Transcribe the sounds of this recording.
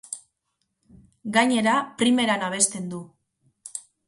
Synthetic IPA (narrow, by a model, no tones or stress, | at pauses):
ɡaɲe̞ɾapɾime̞ɾanaβ̞e̞st̪e̞nd̪u